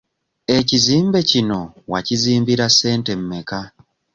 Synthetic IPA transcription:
e̞ciziːmbe̞cino̞waciziːmbiɾase̞ːnte̞mːe̞ka

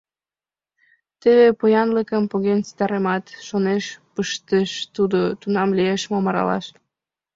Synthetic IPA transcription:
t̪eβepojɑnləkəmpoɣenst̪ɑɾemɑt̪ʃoneʃpəʃt̪eʃt̪ud̪ot̪unɑmlieʃmomɑɾɑ̰lɑ̰ʃ

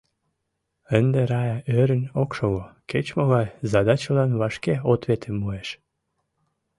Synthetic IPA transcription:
ənd̪eɾɑjɑʔøɾə̆nʲokʃoɣoket͡ɕmoɣɑjzɑd̪ɑt͡ɕəlɑnβɑʃkeot̪βet̪ʰəmːueʃ

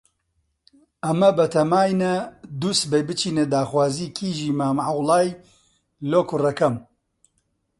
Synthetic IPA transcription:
ɐmɐbɐt̪ʰɐmaːjnɐd̪uːsbejbɨt͡ʃiːned̪aːxwaːziːkʰiːʒiːmaːmʕɐwlˠaːj | loːkurɐkɐm

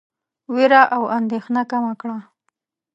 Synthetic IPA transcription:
weɾaʔawand̪exnakamakɽa

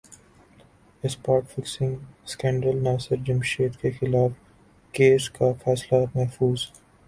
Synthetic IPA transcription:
ɪspaːɾʈfɪksɪ̃ŋɡskɛ̃ːɳɖɾəlnaːsəɾd͡ʒɪmʃeːt̪kexɪlaːf | keːskafɛːslamɛɦfuːz

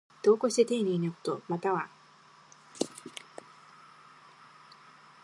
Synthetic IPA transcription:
d̪̥o̞ːkoɕi̥t̪et̪eːɲʲiinɯko̥t̪o̞mat̪aβa

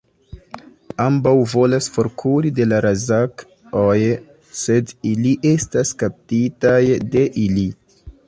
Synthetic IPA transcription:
ambawvo̞lasfo̞ɾkʰuɾide̞laɾazak | oj | se̞diliʔe̞staskap̚titajde̞ʔili

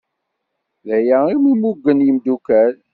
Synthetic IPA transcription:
ðæjæimumuɡːənjəmd̪ukæl

